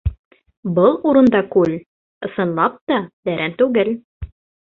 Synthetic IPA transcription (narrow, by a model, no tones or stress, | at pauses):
bɤlˠuɾɤ̆nd̪ɑkʉlʲ | ɤ̆sɤ̆nlˠɑp̚t̪ɑd̪æɾʔænt̪ʉɡɘl